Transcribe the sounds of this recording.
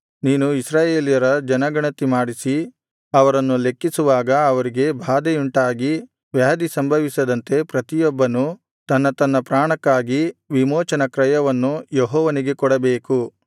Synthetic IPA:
niːnuisɾaːjeːlijɐɾɐd͡ʒɐnɐɡɐɳɐt̪imaːɽisi | ɐʋɐɾɐnːule̞kːisuʋaːɡɐːʋɐɾiɡe̞bʱaːd̪euɳʈaːɡi | ʋjaːd̪isɐmbʱɐʋisɐd̪ɐnt̪e̞pɾɐt̪ijɔbːɐnu | t̪ɐnːɐt̪ɐnːɐpɾaːɳɐkːaːɡiʋimoːt͡ʃɐnɐkɾɐjɐʋɐnːujeɦɔːʋɐniɡe̞kɔɽɐbeːku

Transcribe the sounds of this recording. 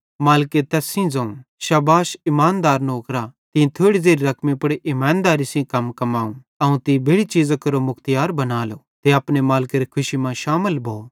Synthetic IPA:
maːlket̪ɛːsĩd͡zɐ̃ũʃɐbaːʃɪmaːnd̪aːɾnoːkɾat̪ĩĩt̪ʰoːɽizeːɾiɾɐkʰmĩpʊɽeʔɪmãːnd̪aːɾisĩkɐmkɐmaːũ | ɐũt̪ibʱeːɽit͡ʃiːzakɐɾomʊkʰt̪jaːɾbɐnaːlo | t̪eɐpnemaːlɪkeɾikʰʊʃimãʃaːməlbʱoː

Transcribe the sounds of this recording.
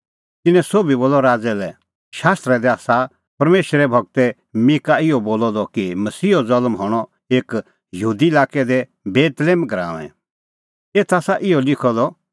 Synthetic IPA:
t̪ɪnɛ̃soːbiboːlːɔɾaːd͡zɛlɛ | ʃaːst̪ɾɛd̪ɛaːsa | pɐɾmeːʃɾɛbʱɐɡ̚t̪ɛ | mɪkaɪɔboːlɔd̪ɔkimɐsiːɔd͡zɐlmɦɔɽ̃ɔ | eːk | jɐɦuːd̪iɪlaːkɛd̪ɛ | beːt̪leːmɡɾã̰ːʋɛ̰̃ | eːt̪ʰaːsaʔɪɔlɪkʰɔd̪ɔ

